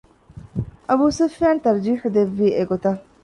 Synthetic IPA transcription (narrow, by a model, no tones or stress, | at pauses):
ʔɐbuːsufjaːnt̪ɐɾd͡ʒiːħud̪eʋːiːeɡot̪ɐ